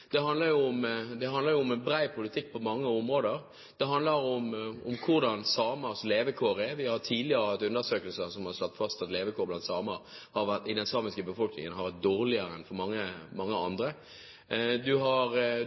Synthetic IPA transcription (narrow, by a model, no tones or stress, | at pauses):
d̪̥ɛɦɑnd̪ləɾjʊʊmd̪ɛɦɑnd̪ləɾjʊʊmɛnbɾæɪpʰʊlɪt̪ʰɪkːpʰɔmɑŋːəʊmʁoːd̪əɾ | d̪̥ɛɦɑnd̪ləɾʊmʊmkʰʊɾd̪ɑnsɑːmɑsleːʋəkʰoːɾɛɾʋɪhɑɾt̪ʰiːd̪lɪəɾəhɑt̪ːʉnd̪əsøːkəlsəsɔmhɑʁslɑt̪ːfɑst̪ɑt̪leːʋəkʰoːblɑnt̪sɑːməɾhɑɾʋæt̪ɪd̪ɛnsɑːmɪskəbəfɔlknɪ̰ŋənɦɑɾʋæt̪̚d̪oːʁlɪəɾəɛnfɔɾmɑŋːəmɑŋːəɑnd̪ɾə | d̪ʉɦɑɾ